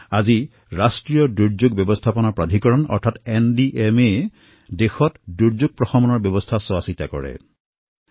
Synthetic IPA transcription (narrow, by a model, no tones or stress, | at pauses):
azi | ɹastɹijɔduɹd͡ʒuɡ̚bjɔbɔstʰapɔnɔpɹad̪ʱikɔɹɔnɔ̰ɹtʰatendiʔeme | dexɔtduɹzuɡ̚pɹɔxɔmɔnɔɹbjɔbɔstʰaswasitakɔ̰ɹɛ̰